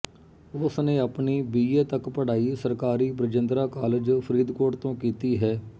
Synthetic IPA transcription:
ʊsnẽːəpɳiːbiːeːt̪əkpəɽ̤aːiːsəɾkaːɾiːbɾəd͡ʒənd̪ɾaːkaːlɪd͡ʒpʰəɾiːd̪koːʈt̪õːkiːt̪iːɦɛː

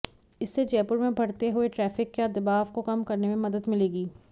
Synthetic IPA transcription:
ɪsːed͡ʒɛːpʊɾmẽbʱɐɽt̪eɦʊeʈɾɛːfɪkːjad̪ɐbaːʋkokɐmkɐɾnemẽmɐd̪əd̪mɪleːɡiː

